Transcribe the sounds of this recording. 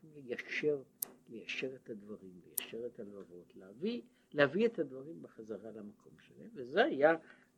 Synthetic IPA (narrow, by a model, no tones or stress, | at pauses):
lejaʃeʁlejaʃe̞ʁetad̪vaʁimlejaʃe̞ʁetalvavo̞t̪leavi | leaviet̪ad̪vaʁimbeχazaʁalamakʰo̞̰mʃḛlemvezehaja